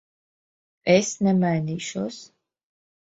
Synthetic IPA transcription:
ɛsnɛmajniʃɔs

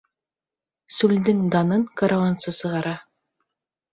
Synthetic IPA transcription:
sʉld̪ɘŋd̪ɑnɤɴkaɾawansɤsɤ̆ʁɑɾɑ

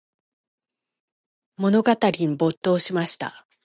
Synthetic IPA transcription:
mo̞no̞ɡat̪aɾʲimbo̞t̪ːo̞ːɕimaɕi̥t̪a̰

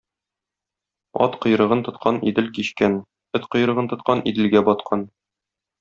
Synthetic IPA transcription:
ɒ̰t̪qɤ̆jɾɤ̆ʁɤnt̪ŏt̪qʰɑnid̪ɘlkiɕkæn | ɵt̪qŏjɾɤ̆ʁɤnt̪ŏt̪̚qɑnid̪ɘ̆lɡæbɒt̪̚qʰɑn

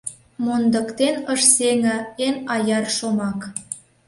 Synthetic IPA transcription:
mond̪ə̆kt̪enəʃseŋə̆enɑjɑrʃomɑk

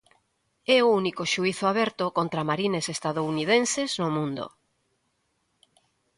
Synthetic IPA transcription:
ɛounikoʃuiθʊaβɛɾt̪okont̪ɾamaɾinesest̪aðounið̞ẽnseznomũnd̪o̰

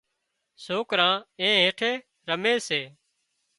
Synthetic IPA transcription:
soːkɾãːẽːɦẽːʈʰeː | ɾəmeːseː

